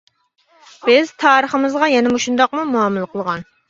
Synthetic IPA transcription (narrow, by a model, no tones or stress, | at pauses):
b̥ɪz̥t̪ʰɑːɾəχəmɨzʁɑjɛnɪmoʃund̪ɑqmumuɑmɨlˠɨqəlˠəʁɑn